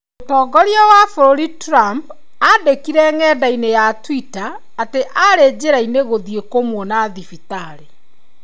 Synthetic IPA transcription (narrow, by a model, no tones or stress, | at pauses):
otɔːɡɔɾjawafoɾoɾitɾamp | adekiɾɛŋɛdainejatwitaː | teʔaɾed͡ʑeɾaineɣoðiekomwɔnaðifitaɾe